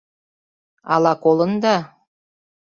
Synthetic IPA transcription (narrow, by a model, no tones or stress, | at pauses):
ɑ̰lɑkolɤ̆nd̪ɑ